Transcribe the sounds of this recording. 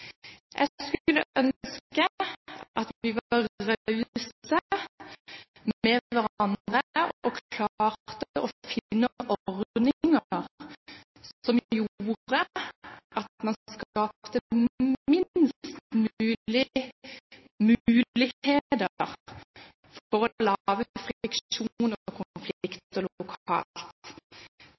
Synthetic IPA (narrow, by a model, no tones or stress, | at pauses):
ʔɛ̰skʉlːəʔœnskəʔɑt̪ʋɪʋɑʁɑʉsə | mɛʋæʁɑnd̪ʁəʔɔkʰlɑːʁt̪əʔɔfɪnːəʔɔʁd̪nɪŋəʁ | sɔmjuːʁə | ɑt̪mɑnkɑːpt̪əmɪnst̪mʉːlɪ | mʉːʉːɪheːd̪əʁ | fɔɾɔlɑʋəfʁɪkʃunəkʰʊflɪkt̪əlʊkʰɑ̰ːlt̪